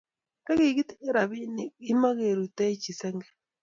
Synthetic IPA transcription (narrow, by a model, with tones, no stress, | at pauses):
ka˦ɣi˨ɣi˦ti˦e˦ɾa˨βi˦ni˦ma˦ɣe˨ɾu˨ta˦t͡ʃi˨se˦ŋɡɛ